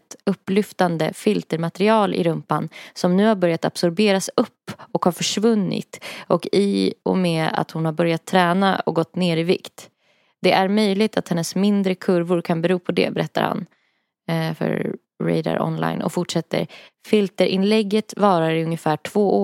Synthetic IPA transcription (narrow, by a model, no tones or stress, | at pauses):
t̪ɵpːlʏft̪and̪ə̰fɪlt̪əɾmat̪ɛɾɪɑːlʔɪ̰ɾɵmpansɔmnʉ̟ːhaɾbœɾjat̪a̰b̥sɔɾbeːɾasɵpːɔkhaɾfœʂvɵnːɪ̰t̪ɔkɪɔ̰mɛa̰t̪hʊnhaɾbœɾjat̪ʰːɾɛːna̰ɔ̰ɡɔt̪ːneːɾɪvɪ̰kt̪ | d̪̥ɛʔæɾmœjlɪt̪ʰat̪hɛnːəsmɪnd̪ɾəkʰɵɾvʊɾkʰanbɛɾuːpʰɔd̪ɛ̰bɛɾɛt̪ːa̰ɾha̰n | fœ̰ɾ | ɾɛ̰ɪd̪a̰ɾɔ̰nla̰jnʔɔ̰fʊʈʂɛt̪ːə̰ɾ | fɪlt̪əɾʔɪnlɛɡːət̪vɑːɾaɾɪɵŋjəfæːʈʰv̥oːʔoː